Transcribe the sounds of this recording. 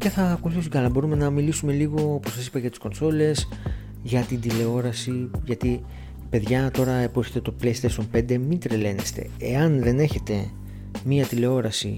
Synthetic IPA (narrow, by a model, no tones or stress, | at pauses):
ce̞θɐːkuθisukɐlɐbo̞ɾume̞nɐmilisume̞liɣo̞opo̞sɐsi̥pɐʝɐt̪i̥sko̞nso̞le̞s | ʝɐt̪ind̪ile̞o̞ɾɐsiʝɐt̪i | pe̞ðʝɐt̪o̞ɾɐepueɾçet̪et̪o̞plest̪est̪ompe̞nd̪e̞mint̪ɾele̞ne̞st̪e̞̰ḛɐnðe̞ne̞çe̞t̪e̞ | miɐt̪ile̞o̞ɾɐsḭ